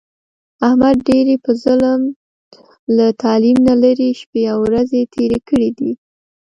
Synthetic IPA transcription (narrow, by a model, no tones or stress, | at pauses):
ahmad̪̚ɖeɾepəzələm | lat̪ɑlimnalaɾiʃpeawɾazet̪ʰeɾekəɽid̪i